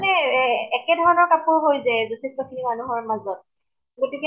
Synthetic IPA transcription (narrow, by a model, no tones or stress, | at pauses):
nɛɛkɛdʱɔɹɔnɔɹkapʊɹɦojzɛzotʰistɔkʰinimanuɦɔɹmazɔt̚ | ɡotikɛ